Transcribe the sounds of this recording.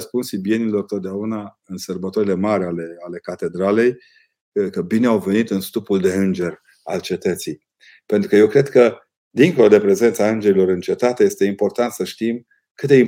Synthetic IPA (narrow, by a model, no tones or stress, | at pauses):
əspunsibije̞nilo̞rt̪ot̪̚d̪eauna | ɨnsərbət̪oɾile̞maɾʲaleale̞kat̪e̞d̪ɾale̞j | kəbineawve̞nit̪ɨnst̪upuld̪e̞ɨnd͡ʒe̞rʲ | a̰lt͡ʃe̞t̪ət̪sij | pent̪ɾukəje̞wkɾe̞d̪kə | d̪iŋko̞lod̪e̞pɾe̞ze̞nt̪saɨnd͡ʒe̞ɾilo̞ɾɨnt͡ʃe̞t̪at̪e̞je̞st̪e̞impo̞rt̪ant̪səʃt̪im | kɨt̪d̪eim